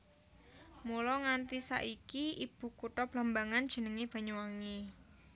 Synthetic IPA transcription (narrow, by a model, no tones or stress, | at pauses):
mulɔŋant̪isa̰ʔikiib̥ṳkuʈɔb̥lambaŋand̥ʒ̥ə̤nəŋeb̥a̤ɲuwaŋi